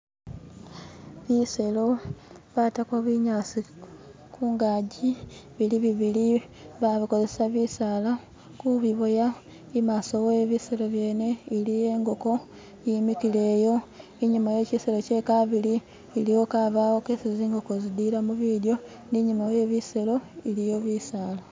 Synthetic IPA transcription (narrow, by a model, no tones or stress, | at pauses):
βise̞lo̞βatakwaβiɲaːsi | kʰuːŋɡaːɟiβiliβiβili | βaβiko̞ze̞saβisala | kuβiβoja | imaːsoweːβiselo̞βje̞ːne̞ilije̞ːŋɡo̞ko̞ | jimikile̞ːjo̞ | iɲumaje̞ːciselo̞ce̞kaβiliː | lijo̞kaβaːwokeːsiziːŋɡo̞kozidiɾamuβidjo̞ | niɲumaje̞ːβiselo̞ilijo̞βisaːla